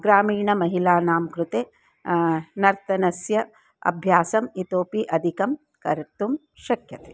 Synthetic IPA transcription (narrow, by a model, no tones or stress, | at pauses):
ɡɾaːmiːɳɐmɐɦilaːnaːmkɾut̪eː | nɐɾt̪ɐnɐsjɐ | ɐ̰bʱjaːsɐmit̪oːpiʔɐd̪ʱikɐm | kɐɾt̪um | ʃɐkjɐt̪e̥